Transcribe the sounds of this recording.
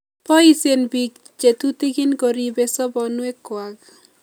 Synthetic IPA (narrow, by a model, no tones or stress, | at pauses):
pɔisenbik̚ | t͡ʃet̪ut̪iɡɪnkɔɾibɛsɔbɔnwekːwak